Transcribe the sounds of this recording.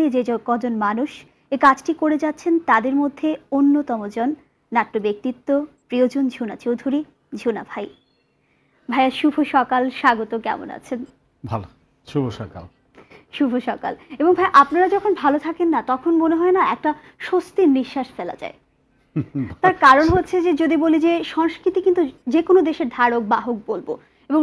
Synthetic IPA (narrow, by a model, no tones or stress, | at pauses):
id͡ʑed͡ʑɔkɔd͡ʑonmanuʃ | ekad͡ʑʈikoɾed͡ʑat̪ːɕʰent̪ad̪eɾmod̪ʱːeonːot̪ɔmod͡ʑɔnː | aʈːobek̚t̪it̪ːopɾiod͡ʑond͡ʑʱonat͡ɕowd̪ʱuɾi | d͡ʑʱona̰bʱaj | bʱaeaʃubʱoʃɔkalʃaɡot̪okɛ̰mo̰na̰t͡ɕʰen | bʱalo | ʃubʱoʃɔka̰l | ʃubʱoʃɔka̰leboŋbʱajʔapnaɾad͡ʑɔkʰonbʱalot̪ʰakenːat̪ɔkʰonmoneɦɔenaɛk̚ʈa | ʃost̪iɾniʃːaʃfela̰d͡ʑa̰e | t̪aɾkaɾonɦotːɕʰed͡ʑed͡ʑod̪ibolid͡ʑeʃɔŋskɾit̪ikint̪ud͡ʑekonod̪eʃeɾd̪ʱaɾok̚baɦoɡ̚bolbo̰ | eboŋ